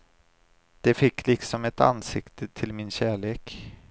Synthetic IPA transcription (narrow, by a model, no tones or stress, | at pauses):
d̪̥ɛfɪkːlɪksɔmɛt̪a̰nsɪkt̪ʰət̪ʰɪlmɪnɕæːɭeːk